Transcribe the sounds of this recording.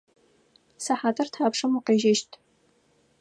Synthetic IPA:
sɐħaːtʰʼɐrtʰaːpʂɨmuqeːʒɪʃtʰʼ

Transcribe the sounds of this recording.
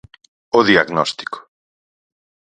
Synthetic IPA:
oðiaɣnɔst̪i̥ko̥

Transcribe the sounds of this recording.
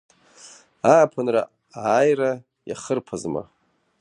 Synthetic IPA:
aːpʰanra | aːjra | ja̰χərpʰazma̰

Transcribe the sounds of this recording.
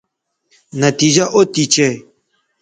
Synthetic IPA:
nɐt̪id͡ʒaʔot̪it͡ʃɛ

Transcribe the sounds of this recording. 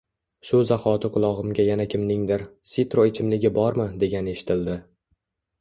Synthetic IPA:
ʃʊzaχɒt̪ʰɪqʰʊlˠɒʁɨmɡʲajanakʲʰɪmnɪŋd̪ɪɾsit̪ɾoet͡ʃʰɪmlɪɡʲɪbɒɾmɪd̪e̞ɡʲanɪe̞ʃɪ̥t̪ʰɪld̪ɪ

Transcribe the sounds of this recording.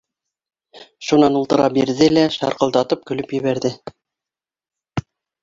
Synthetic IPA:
ʃunɑnulˠt̪ɤ̆ɾɑpbiɾðɘlæʃɑ̰ɾqɤ̆lˠd̪ɑt̪ɤp̚kɵ̆lɵpjɘ̆βæɾðɘ

